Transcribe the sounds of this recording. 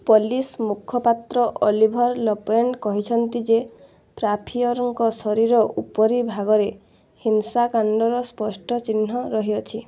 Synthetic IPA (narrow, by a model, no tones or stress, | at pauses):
polismukʰɔpat̪ɾɔʔolibʱɔɾlɔpenkɔɦit͡ʃʰɔnt̪id͡ʒe | pɾapʰiɔɾɔŋkɔsɔɾiɾɔʔupɔɾibʱaɡɔɾe | hinsakaɳɖɔɾɔspɔsʈɔt͡ʃinːɔɾɔɦiɔt͡ʃʰi